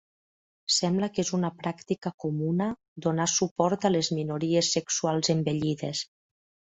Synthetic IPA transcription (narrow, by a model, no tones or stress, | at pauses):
sɛmbləkezunəpɾakt̪ikəkumunə | d̪onasupɔɾt̪əlezminuɾiesːeksualˠzembeʎiðes